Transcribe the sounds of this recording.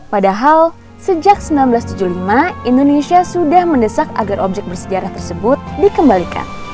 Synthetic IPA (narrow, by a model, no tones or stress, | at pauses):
padaɦal | səd͡ʒaksəmbilanbəlast̪ud͡ʒulimaindonesiasudahməndəsaka̰ɡarʔɔb̚d͡ʒɛk̚bərsəd͡ʒaɾaht̪ərsəbʊt̪̚dikəmbalika̰n